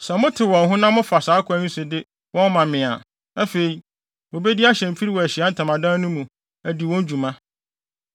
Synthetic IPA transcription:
sɛ˨mʊ̃˦tʰɪ˨wɔ̃˨nɦʊ̃˦nã˦mʊ̃˦fa˨saː˨˦kʰʊ˨æ˦nũ˦sʊ˨dɪ˦ | wɔ̃˦nmã˨mɪ̃˨a̰˨ | æ˦fe˨i˨ | wo˨be˦di˦a˦ɕɛ̃˨m˨fi˦ɾi˦wɔ˨æ˨ɕi˨a˦n̩˦tʰã˨mã˨dã˦nʊ̃˦mũ˨ | æ˨di˨wɔ̃˦n˦d͡ʑu˨mã˦

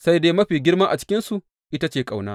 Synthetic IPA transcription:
sa˦jdeː˦mɐ˦ɸiː˨ɡʲɪ˦rmaː˦ʔa̰˨t͡ʃɪ̥˦kʲɪ˦nsu˨ʔ | ʔɪ˦ta˦t͡ʃeː˨kʼa˨wnaː˦

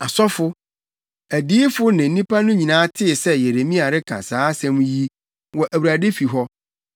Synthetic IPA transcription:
a˨sɔ˦fʊ˦ | æ˨diː˦fʊ˦nɪ̃˨n̩˦nĩ˦pʰa˦nʊ̃˦ɲĩ˨nãː˨˦tʰɪ˦˨sɛ˦je˨ɾe˨mĩ˦a˨ɾɪ˦kʰã̰˨saː˨˦sɛ̃˦mji˦ | wɔ˨ʔæ˨wu˨ɾa˨de˦fi˨ɦɔ˦

